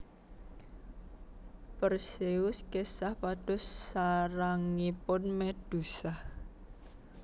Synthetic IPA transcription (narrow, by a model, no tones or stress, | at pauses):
pərseʊskesahpad̥ɔ̤sːaɾaŋːipʊnmed̥usah